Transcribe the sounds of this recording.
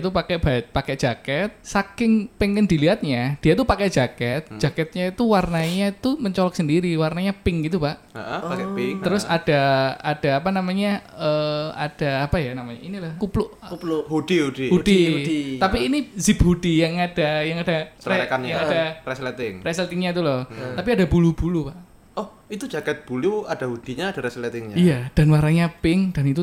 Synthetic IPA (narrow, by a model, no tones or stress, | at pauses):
t̪upakɛʔb̥apakɛʔd͡ʒ̥akɛt̪̚sakɪŋpɛŋɛndiliɦat̪̚ɲad̥ijat̪upakɛʔd͡ʒakɛt̪̚d͡ʒ̥akɛt̪̚ɲait̪uwarnaɲait̪uməɲt͡ʃɔlɔk̚səndiɾiwarnaɲapɪŋɡit̪̬ubaʔ | aʔakɛŋt̪əɾʊsad̥aad̥aːpanamaɲaəa̰d̥aːpajanamaɲa̰inilahkuplʊʔhudihudihudit̪apiːnizibhudijaŋad̥ajaŋad̥aəɛkanjaŋadarɛslɛt̪ɪŋrɛslt̪ɪŋɲait̪̬ulɔht̪apiadabulubulupaʔ | ɔh | it̪ud͡ʒakɛt̪̚b̥uluad̥ahud̥iɲaːd̥aɾɛslɛt̪ɪŋɲaijad̥anwarnaɲapɪŋd̥anit̪u